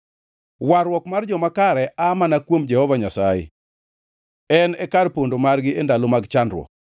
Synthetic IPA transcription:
waɾwɔkmard͡ʒɔmakaɾɛʔamanakwomd͡ʒɛhɔvaɲasaɪ̰ | ɛnɛkaɾpondomarɡɪendalomaɡt͡ʃandɾwɔ̰k

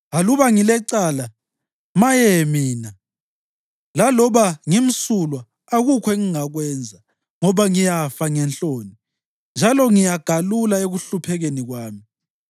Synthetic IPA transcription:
aluβaŋilɛǀala | majɛmiːna | lalɔβaŋim̩sulwaː | ɣukʰeŋiŋaɣwɛnd͡zʱa | ŋɔβaŋijafaŋɛnt͡ɬʼoːni | nd͡ʒʱalɔŋijaɡ̥ʱalulaeɣuɬupʰɛɣeniɣwaːmi

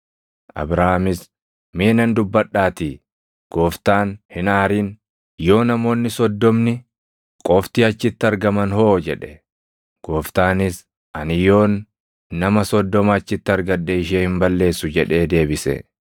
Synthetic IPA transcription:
ʔɐ̰bɾaːhmɪs | meːnɐnd̪ʊbːɐɗːaːt̪iː | ɡ̥o̞ːft̪aːnhɪnaːɾiːn | jo̞ːnɐmo̞ːnːɪsɔd̪ːɔmnɪ | kʼɔft̪iːɐt͡ʃːɪt̪ːɪɐɾɡɐmɐnho̞ːd͡ʒɛᶑɛ̥ | ɡ̥o̞ːft̪aːnɪs | ʔɐnɪjo̞ːnː | ɐmɐsɔd̪ːɔmɐɐt͡ʃːɪt̪ːɪɐɾɡɐᶑːɛɪʃ̬eːhɪmbɐlːe̞ːsːʊd͡ʒɛᶑe̞ːd̪e̞ːbɪsɛ̰

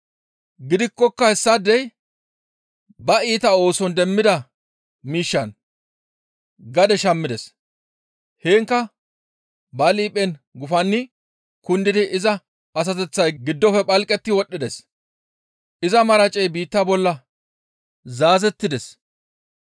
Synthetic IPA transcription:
ɡɪd̪ɪkːɔkːɐhɛsːɐd̪ɛj | bɐiːt̪ɐo̞ːsɔnd̪ɛmːɪd̪ɐ | miːʃːɐn | ɡɐd̪ɛʃɐmːɪd̪ɛs | heːŋkːɐ | bɐliːpʼːɛnɡʊfɐnːɪ | kʊnd̪ɪd̪ɪʔɪzɐ | ɐs̬ɐt̪ɛt͡sːɐjɡɪd̪ːɔfɛpʼɐlkʼːɛt̪ːɪwɔɗːɪd̪ɛs | ʔɪzɐmɐɾɐt͡ʃʼɛjbiːt̪ːɐbɔlːɐ | zaːzɛt̪ːɪd̪ɛs

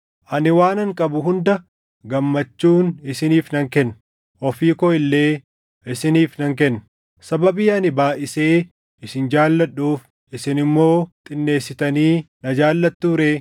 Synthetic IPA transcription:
ʔɐnɪwaːnɐŋkʼɐbʊɦʊnd̪ɐ | ɡɐmːɐt͡ʃːuːnɪsɪniːfnɐŋkɛnː | ʔɔfiːkɔɪlːe̞ː | ɪsɪniːfnɐŋk̬ɛnː | sɐbɐbiːɐnɪbaːʔɪse̞ː | ʔɪsɪnd͡ʒaːlːɐᶑːuːf | ʔɪsɪnɪmːo̞ːt̪ʼɪnːe̞ːsːɪt̪ɐniːnɐd͡ʒaːlːɐt̪ːuːɾeː

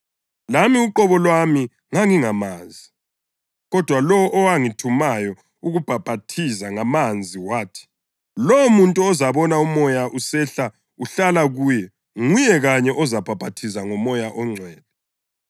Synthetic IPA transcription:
lamiuǃɔβɔlwami | ŋaŋiŋamaːzi | ɣɔd̥ʱwalɔwʔɔwaŋitʰumajɔ | uɣub̥ʱab̥ʱatʰizaŋamand͡zʱiwaːtʰi̥ | lɔwmuntʼuɔzaβɔnaumɔjaʔusɛɬa | uɬalaɣuːjɛ | ŋujɛɣaɲɛʔɔzab̥ʱab̥ʱatʰisaŋɔmɔjaʔɔŋ͡ǀʱwɛːlɛ

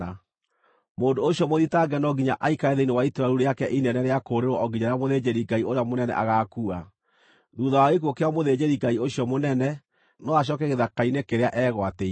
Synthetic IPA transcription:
a | moːndooɕjɔmoðitaɡɛnɔɡiɲaʔaikaɾeðeinewaitɾaɾuɾeakɛʔinɛnɛɾeakoɾeɾwɔʔɔɡiɲaɾejamoðed͡ʑeɾiɡaioɾeamonɛnɛ̰ʔa̰ɣakua | ðuðawaɣek̬uokeamoðed͡ʑeɾiɡaioɕjɔmonɛnɛ | nɔaɕ̬jɔkɛɣeðakainekeɾeaʔɛːɣwate

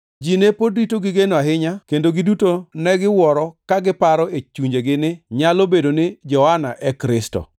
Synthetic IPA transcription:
d͡ʒinepoditoɡɪɡenoaɦɪɲakendoɡɪdutonɛɡɪwɔɾɔkaɡɪpaɾɔet͡ʃuɲd͡ʒeɡɪnɪɲalobedonɪd͡ʒɔanaʔɛkɾɪstɔ̰

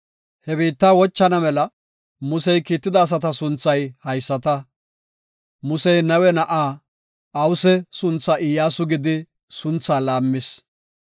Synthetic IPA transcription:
hɛbiːt̪ːaːwɔt͡ʃːɐnɐmɛlɐ | mʊsɛjkiːt̪ːɪd̪ɐːs̬ɐt̪ɐsʊnt͡sːɐjhɐjsːɐt̪ɐ | mʊsɛjnɐwɛnɐʔaː | ɐwʊsɛsʊnt͡sːɐʔɪjːaːsʊɡɪd̪ɪ | sʊnt͡sːaːlaːmːɪs

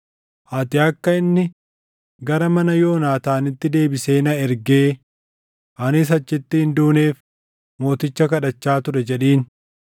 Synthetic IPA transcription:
ʔɐt̪ɪɐkːɐɪnːɪ | ɡɐɾɐmɐnɐjo̞ːnaːt̪aːnɪt̪ːɪd̪e̞ːbɪse̞ːnɐɛɾɡeː | ʔɐnɪs̬ɐt͡ʃːɪt̪ːɪhɪnd̪uːne̞ːf | mo̞ːt̪ɪt͡ʃːɐkɐᶑɐt͡ʃːaːt̪ʊɾɛd͡ʒɛᶑiːn

